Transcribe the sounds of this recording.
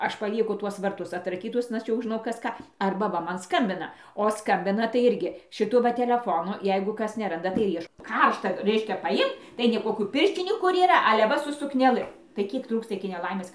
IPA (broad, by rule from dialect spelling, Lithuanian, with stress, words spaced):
ˈɐʃ pɐˈlʲiɛkʊ ˈtuɔs ʋɐrˈtʊs ɐtrɐˈkʲiːtʊs ˈɐʃ jɛʊ ˈʒʲɪnɐʊ ˈkɐs ˈkɑː ˈɐrbɐ ˈʋɐ ˈmɐn ˈskɐmʲbʲɪnɐ oː ˈskɐmʲbʲɪnɐ tɐɪ ˈɪrʲɡʲɪ ʃʲɪˈtʊ ˈʋɐ tʲɛlʲɛˈfoːnʊ ˈjɛɪɡʊ ˈkɐs nʲɛˈrɐndɐ tɐɪ ɪr ˈiɛʃ ˈkɐrʃtɐ ˈrʲɛɪʃʲkʲɛ pɐˈɪmt tɐɪ nʲɛɪ ˈkoːkʲuː ˈpʲɪrʲʃʲt͡ʃʲɪnʲuː ˈkʊr iːˈrɐ ɐlʲɛ ˈʋɐ sʊ sʊknʲɛˈlˠɨ tɐɪ ˈkʲiɛk ˈtruːkstɐ ɪkʲɪ nʲɛˈlˠɐɪmʲeːs